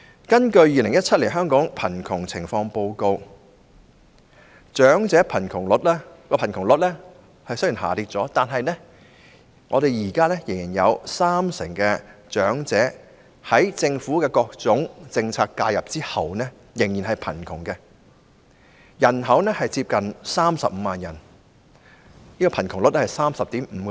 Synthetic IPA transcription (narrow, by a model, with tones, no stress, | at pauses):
kɐ˥nkɵ˧ɥjiː˨lɪ˨˩ŋjɐ˥t̚t͡sʰɐ˥t̚liː˨˩nɦœː˥ŋkɔː˨˥ŋpʰɐ˨˩nkʰʊ˨˩ŋt͡sʰɪ˨˩ŋfɔː˧ŋpo˧wko˧w | t͡ʃœː˨˥ŋt͡sɛː˨˥pʰɐ˨˩nkʰʊ˨˩ŋlʊ˨˥t̚lɛ˥kɔː˧pʰɐ˨˩nkʰʊ˨˩ŋlʊ˨t̚lɛ˥ | hɐ˨jsɵ˥jiː˨˩nɦa̰ː˨˩t̪iː˧t̚t͡sɔː˨˥t̪aː˨nɦɐ˨jnɛ˥ | ŋʔɔː˨˧ɾe˨jjiː˨˩kaː˥lɛ˥jɪ˨˩ŋjiː˨˩njɐ˨˧wsaː˥msɪ˨˩ŋkɛ˧t͡ʃœː˨˥ŋt͡sɛː˨˥ | hɐ˨˥jt͡sɪ˧ŋfuː˨˥kɛ˧kɔː˧k̚t͡sʊ˨˥ŋt͡sɪ˧ŋt͡sʰaː˧k̚kːaː˧jɐ˨p̚t͡siː˥hɐ˨wnɛ˥ | jɪ˨˩ŋjiː˨˩nɦɐ˨jpʰɐ˨˩nkʰʊ˨˩ŋkɛ˧ | jɐ˨˩nɦɐ˨˥wnɛ˥hɐ˨jt͡siː˧p̚kɐ˨nsaː˥msɐ˨p̚m̩ː˨˧maː˨njɐ˨˩n | niː˥kɔ˧pʰɐ˨˩nkʰʊ˨˩ŋlʊ˨˥t̚lɛ˥hɐ˨˩jsaː˥msɐ˨p̚t̪iː˨˥mm̩ː˨˧kː